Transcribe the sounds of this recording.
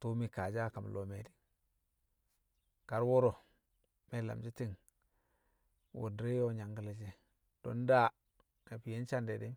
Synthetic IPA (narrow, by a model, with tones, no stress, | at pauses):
tu˦mi˨ka˨d͡ʒa˦˨ka˨m˨lo˨me˨di˦ | ka˨ɾwo˦ɾo˨ | me˦la̰˨md͡ʒi˦ti˦ŋ | wo̰˨dɾe˦jo˦ɲa˨ŋɡi˨la˨d͡ʒi˦ | d̥o̰˨˦nda˦˨ | e˨pi˨je˦n˦t͡ʃa˦nde˨di˦